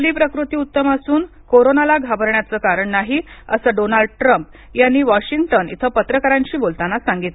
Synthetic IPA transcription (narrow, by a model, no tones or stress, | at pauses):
liːpɾəkɾut̪iːut̪ːəmasuːn | koɾonalaɡʱabəɾɳjat͡səːkaɾəɳnaɦiəsəɖonalɖ̚ʈɾəmp | janːiːʋɔɕiŋɡʈənḭt̪ʰəpət̪ɾəkaɾãɲt͡ɕiːbolt̪anasaŋɡit̪le